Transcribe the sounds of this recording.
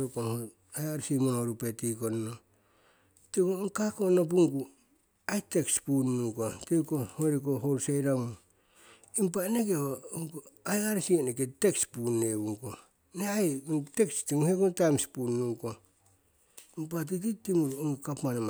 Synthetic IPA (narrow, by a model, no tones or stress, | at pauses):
okonho | ajaɾsimonoɾupetikonno | tikoŋkako̞nop̬uŋɡu | ajtekspunnuŋkotekohoɾikoɦoɾsejɾamu | impanekehouŋkuajaɾisieneketekspunːeβuŋko | neajŋtekstimuhekontajmspunnuŋko | impat̬ititimuɾuoŋkapmanem